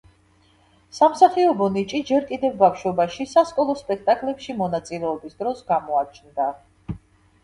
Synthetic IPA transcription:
samsaχiɔbɔnit͡ʃʼid͡ʒɛɾkʼid̪ɛvːafʃɔbaʃisaskʼɔlˠɔspʼɛkʰt̪ʼakʼlɛpʃimɔnat̪sʼilɛɔbisd̪ɾɔsɡamɔat͡ʃʰnd̪a

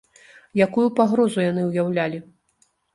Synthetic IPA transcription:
jakujupaɣɾɔzujan̪ɨwjawlʲalʲi

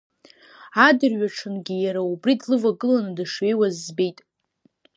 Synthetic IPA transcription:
adɨrɥaʈ͡ʂʰɨnɡʲijaɾaubridlɨvaɡɨlanɨdɨʂɥe̞jwazbe̞jtʼ

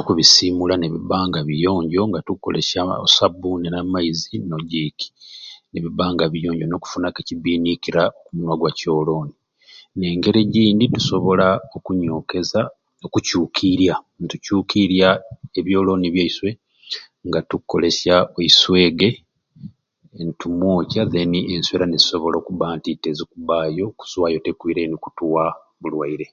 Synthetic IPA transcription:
nokuβisiːmulaneβiβaːŋɡaβijo̞ːɲɟo̞ŋɡatukːolḛʃao̰sabunenamaizino̞ɟiːki̥ne̞βiβaːŋɡaβijoːɲɟono̞ku̥funakeciβiːnikiɾaokuɲwaɡwaco̞ːlo̞ːni | ne̞ːŋɡe̞ɾeɟiːnditu̥so̞βo̞lao̞kuɲo̞ːke̞za | okucuːkʰiɾjantucuːkʰiɾjaeβjo̞ːlo̞ːniβjeiswe̞ | ŋɡatukːo̞le̞sjaoiswe̞ːɡe̞ | ntumoːcaðe̞niʔenswe̞ːɾanezi̥so̞βo̞lo̞ːkuβaːntite̞zikuβaːjo̞ku̥z̥wajo̞te̞kwiːɾeniku̥tuwa | βulwaiɾe̞

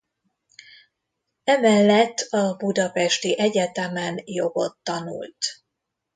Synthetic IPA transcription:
ɛmɛlːɛt̪ːɒbud̪ɒpɛʃt̪iʔɛɟɛt̪ɛmɛnjo̞ɡo̞̰t̪ːɒnṵlt̪

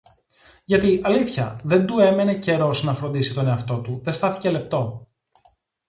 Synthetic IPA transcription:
ʝɐt̪iʔɐliθçɐ̰ðe̞nd̪ue̞me̞ne̞ce̞ɾo̞snɐfɾo̞nd̪isit̪o̞ne̞ɐft̪o̞t̪uðe̞st̪ɐθi̥ce̞le̞p̚t̪o̞

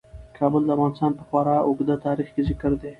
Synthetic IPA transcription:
kʰɑbəld̪əavɣɑnɪst̪ɑnpəxwɑɾɑʊɡd̪at̪ɑɾixkezɪkəɾd̪e

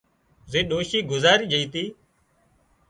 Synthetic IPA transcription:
zeːɗoːʃiːɡʊzaːɾiːd͡ʒəiːt̪iː

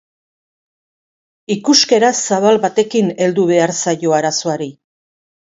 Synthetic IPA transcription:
ikuske̞ɾasaβalbat̪e̞kine̞ld̪uβe̞aɾsajo̞aɾaso̞aɾi

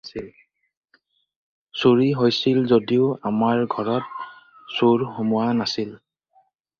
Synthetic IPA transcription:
sil | suɹiɦojsilzodiʊamaɹɡʱɔɹɔt̚ | soɹxumʊwanasil

